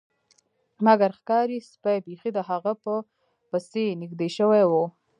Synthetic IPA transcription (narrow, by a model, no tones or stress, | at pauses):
maɡaɾxkɑɾispajbexid̪əɦaɣapə | pəsenɪɡd̪eʃəwajwo